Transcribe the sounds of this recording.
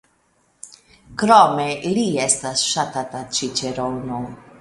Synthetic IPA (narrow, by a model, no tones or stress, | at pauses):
kɾɔmeliɛst̪asʃat̪at̪at͡ʃit͡ʃeɾowno